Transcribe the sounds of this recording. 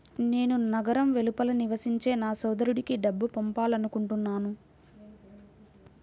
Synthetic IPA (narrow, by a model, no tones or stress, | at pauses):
ne̞ːnunɐɡɐɾɐmʋe̞lupɐlɐniʋɐsiɲt͡ʃe̞ːnaːsɔːd̪ɐɾuɽikiɖɐbːupɔmpaːlɐnukuɳʈunːaːnu